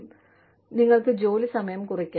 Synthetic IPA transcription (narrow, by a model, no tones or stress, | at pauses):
niŋːɐɭkɨd͡ʑo̞ːlisɐmɐjɐmkurikʲːa